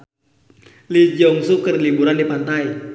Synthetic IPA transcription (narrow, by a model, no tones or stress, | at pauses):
lid͡ʒɔŋsukərlibuɾandipant̪aj